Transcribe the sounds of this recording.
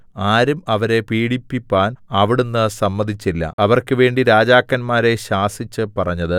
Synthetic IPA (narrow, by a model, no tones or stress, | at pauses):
aːɾumɐʋɐɾe̞piːɽipːipʲːaːnɐʋiɽunːɨsɐmːɐd̪ʱit͡ɕːilːɐ̰ɐʋɐrkɨʋe̞ːɳɖiɾaːd͡ʑaːkːɐnmaːɾe̞ɕaːsit͡ɕːɨpɐrɐɲːɐðɨ